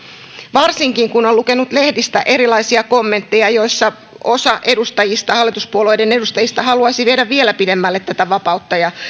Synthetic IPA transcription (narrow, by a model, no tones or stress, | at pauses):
ʋɑrsiŋkiŋkuno̞lluke̞nut̪le̞hdist̪æ̰ʔe̞ɾilɑjsiɑko̞mːe̞nt̪ːe̞jɑjo̞jsːɑ | o̞sɑʔe̞dust̪ɑjist̪ɑhɑlːit̪uspuolo̞jde̞ne̞dust̪ɑjist̪ɑhɑluɑjsiʋiedæʋʋielæpide̞mːælːet̪ːæt̪æʋɑpɑut̪ːɑjɑ